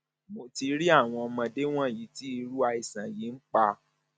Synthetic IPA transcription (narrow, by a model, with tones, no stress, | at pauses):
mo˧ti˧ɾi˦a˦˨w̃ɔ̃˧ɔ˧mã˧de˦w̃ɔ̃˦˨ji˨˦ti˦i˧ɾu˦a˧i˨sã˨ji˨˦n̩˦k͡pa˧